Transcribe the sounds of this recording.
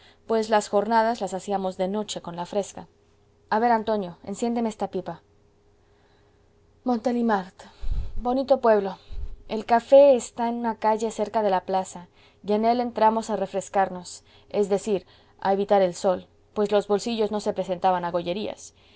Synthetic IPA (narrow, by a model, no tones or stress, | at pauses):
pwe̞zlasxo̞ɾnaðazlasasiamo̞zðe̞no̞t͡ʃe̞ko̞nlafɾe̞ska | aβe̞ɾant̪o̞njo̞e̞̰nsje̞nd̪e̞meest̪apipa | mo̞nt̪elimaɾt̪bo̞nit̪o̞pwe̞βlo̞e̞lkafe̞ːst̪ae̞nũnakaʝe̞se̞ɾkaðe̞laplasa | jie̞ne̞le̞nt̪ɾamo̞sare̞fɾe̞skaɾno̞s | e̞zðe̞siɾ | a̰eβit̪aɾe̞lso̞l | pwe̞zlo̞zβo̞lsiʝo̞zno̞se̞pɾe̞se̞nt̪aβanaɣo̞ʝe̞ɾia̰s